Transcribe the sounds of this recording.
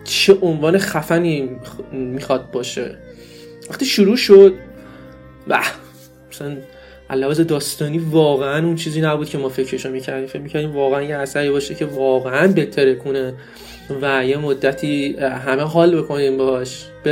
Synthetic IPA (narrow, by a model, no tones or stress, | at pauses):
t͡ʃʰe̞ʔonvɒːneχæfæniː | miːxɒd̪̚bɒːʃe̞̰ | væχt̪iʃuɾuːʃod̪̥̚ | væ̰ | mæsælæn | ʔæ̰lːævɒːzed̪ɒːst̪ɒːniːvɒːɣeænunt͡ʃʰiːziːnæbuːd̪̚cʰe̞mɒːfe̞cʰɾeʃomicʰæɾd̪iːmfe̞cmicʰæɾd̪iːmvɒːɣeænjeæsæɾibɒːʃecʰe̞vɒːɣeænbe̞t̪ʰeɾekʰune | væje̞mod̪ːæt̪ʰiːɦæmeɦɒːlbe̞kʰo̞ninbehɒʃ | b̥